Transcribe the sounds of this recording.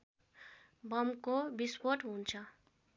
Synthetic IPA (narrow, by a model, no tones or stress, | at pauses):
bʌmkobispoʈɦunt͡sʰʌ